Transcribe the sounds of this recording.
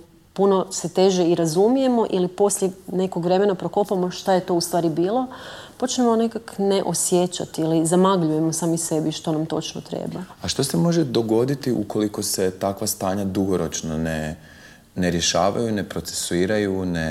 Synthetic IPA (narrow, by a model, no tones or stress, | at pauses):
puno̞se̞t̪e̞ʒeiɾazumije̞mo̞ʔilipo̞sʎʲjene̞koɡʋɾe̞me̞napɾo̞ko̞pamo̞ʃt̪ajet̪o̞ust̪ʋaːɾibiːlˠo̞po̞t͡ʃnemo̞ne̞kakne̞ʔo̞sje̞t͡ʃa̰t̪ilizamaɡʎuje̞mo̞saːmise̞biʃt̪o̞namt̪o̞̰t͡ʃnot̪ɾḛːbaaʃt̪o̞semo̞ʒed̪o̞ɡo̞d̪it̪iʔuko̞liko̞set̪akʋast̪aːɲad̪uɡoɾo̞t͡ʃnone | neɾjeʃaːʋa̰junepɾo̞t̪se̥suiːɾajune